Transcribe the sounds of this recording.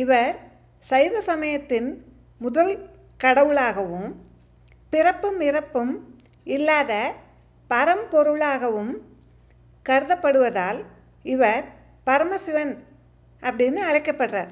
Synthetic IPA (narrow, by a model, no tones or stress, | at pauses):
ɪʋɐɾ | sɐɪʋɐsɐmɐjɐt̪ːɪn | mʊðɐl | kɐɽɐʋɯɭaːɣɐʋɯm | pɪrɐpːɯmɪɾɐpːɯm | ɪlːaːðɐ | pɐɾɐmpɔɾɯɭaːɣɐʋɯm | kɐɾɯðɐpːɐɽɯʋɐðaːl | ɪʋɐɾ | pɐɾɐmɐsɪʋɐn | ʔɐpːɐɽɪnːɯɐɻɐɪkːɐpːɐʈra̰ːɾ